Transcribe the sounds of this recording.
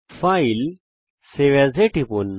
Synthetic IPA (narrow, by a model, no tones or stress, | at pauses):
fail | seʋɛzeʈiponː